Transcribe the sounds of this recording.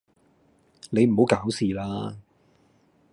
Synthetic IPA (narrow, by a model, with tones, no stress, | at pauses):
ne˨˧jm̩˨˩ɦo˨˧˥wkaː˨˥wsiː˨˩laː˥